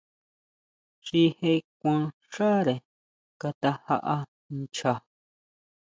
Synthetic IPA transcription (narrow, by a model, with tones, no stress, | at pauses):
ʃi˧he˧kʷã˧ | ʂa˦ɾe˨ | ka˧t̪a˧ha̰˧ʔa˧ | nt͡ʃa˧